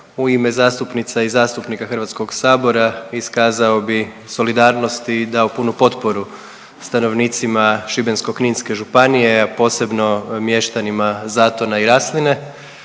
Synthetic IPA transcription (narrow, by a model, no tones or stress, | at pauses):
uimezaːst̪upnit̪saizaːst̪upnikaxr̩ʋat̪sko̞ɡsaːbo̞ɾaiskaːzao̞bi | so̞lid̪aːɾno̞st̪id̪aopunupo̞t̪po̞ɾu | st̪ano̞ʋniːt̪simaʃibensko̞kninske̞ʒupanije̞apo̞ːse̞bno̞mje̞ʃt̪animazaːt̪o̞naiɾaːsline̞